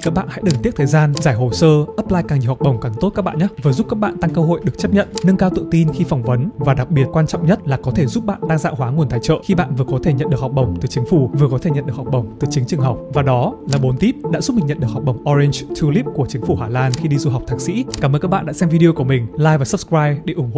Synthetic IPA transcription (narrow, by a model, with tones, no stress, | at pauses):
kaː˦˥k̚ɓa̰ː˧˨nha̰˧˥ɗɨ˨˩ŋt̪i˦˥ət̚t̪ʰəː˨˩jzaː˧nzaː˧˩jɦo˨˩səː˧ʔə˦˥p̚laː˧jkaː˨˩ŋɲi˨˩ha˨˩k͡p̚ɓə˨˩wŋ͡mkaː˨˩ŋt̪o˦˥t̚kːa˦˥k̚ɓa̰ː˧˨nɲa˦˥vɨ˨˩zu˦˥p̚kaː˦˥k̚ɓa̰ː˧˨nt̪a˧ŋkə˧ɦo̰˧˨jɗɨ˨˩ək̚t͡ɕə˦˥p̚ɲə̰˧˨nnə˧ŋkaː˧wt̪ɨ̰˧˨t̪i˧nxi˧fɔ˨˩wŋ͡mvə˨˦nvaː˨˩ɗa˨˩k̚ɓi˨˩ət̚kwaː˧nt͡ɕɔ̰˧˨ŋ͡mɲə˦˥t̚laː˨˩kɔ˨˦t̪ʰe˧˩zu˦˥p̚ɓa̰ː˧˨nɗaː˧ŋza̰ː˧˨hwaː˨˦ŋu˨˩ənt̪ʰaː˧˩jt͡ɕə̰ː˧˨xi˧ɓa̰ː˧˨nvɨ˨˩əkɔ˨˦t̪ʰe˧˩ɲə̰˧˨nɗɨ˨˩əkhk͡p̚ɓə˨˩wŋ͡mt̪ɨ˨˩t͡ɕï˨˦ŋ̟fu˧˩vɨ˨˩əkɔ˨˦e˧˩ɲə̰˧˨ɗəkhk͡p̚ɓə˨˩wŋ͡mt̪ɨ˨˩t͡ɕï˨˦ŋt͡ɕɨ˨˩əŋɦa˨˩wk͡p̚vaː˨˩ɗɔ˨˦laː˨˩ɓo˨˦nt̪i˦˥p̚ɗa̰ː˧˥zu˦˥t̚mï̟˨˩ɲə̰˧˨nɗɨ˨˩k̚hk͡p̚ɓə˨˩wŋ͡mʔɔ˧zi˧nt͡ɕt̪ʰɨ˧li˦˥p̚ku˧˩ət͡ɕï˨˦ŋ̟fu˧˩haː˧˩laː˧˩nxi˧ɗi˧zu˧ɦa˨˩wk͡p̚t̪ʰaː˨˩k̚sḭ˧˥kaː˧˩mʔəː˧nka˦˥ɓa̰ː˧˨ɗa̰ː˧˥sɛ˧mvi˧ɗi˧o˧ku˧˩əmï˨˩ŋ̟laː˧jvaː˨˩sə˦˥p̚skɹaː˧jɗe˧˩ʔʊ˧˩ŋ͡mho̰˧˨